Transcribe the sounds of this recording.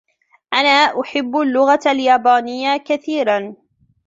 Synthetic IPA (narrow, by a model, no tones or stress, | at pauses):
ʔanaːʔʊħɪbːalːʊɣaʔaljaːbaːnɪjːakaθiːɾan